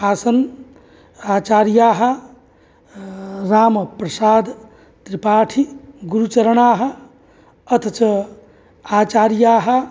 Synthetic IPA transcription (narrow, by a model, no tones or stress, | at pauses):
aːsɐn | aːt͡ʃaːɾijaːɦɐ | ɾaːmpɾɐsaːd̪ | t̪ɾipaːʈʰiɡuɾut͡ʃɐɾəɳaːɦɐ̆ | ɐt̪ʰɐt͡ʃɐ | aːt͡ʃaːɾijaːɦɐ